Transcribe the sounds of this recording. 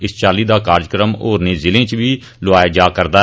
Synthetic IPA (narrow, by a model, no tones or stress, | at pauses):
ɪst͡ʃaːliːd̪aːkaːɾd͡ʒkɾəmoːɾneːzɪlẽːt͡ʃʋiː | lʊaːjaːd͡ʒaːkəɾd̪aː